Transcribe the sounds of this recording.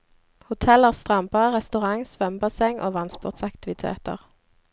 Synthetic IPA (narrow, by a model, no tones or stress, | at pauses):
hʊt̪ʰɛləʁst̪ʁɑmpəʁɛst̪ʉʁɑŋsʋœmbɑsɛŋʔo̰ːʋɑnspʊ̰ːʁt̪sɑkt̪ɪʋɪt̪ʰḛːt̪ə̰ʁ